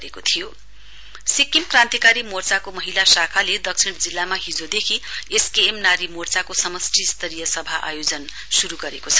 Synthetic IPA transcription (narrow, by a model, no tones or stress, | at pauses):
ekot̪ʰijo | sikːimkrãnt̪ikaɾimort͡sakomʌɦilasakʰaled̪ʌksʰiɽ̃d͡zilːamaɦid͡zod̪ekʰieskeːmnaɾimort͡sakosʌmʌsʈʰist̪ʌɾijʌsʌbʱaʔa̰jod͡zʌn | suɾuɡʌɾekot͡sʰʌ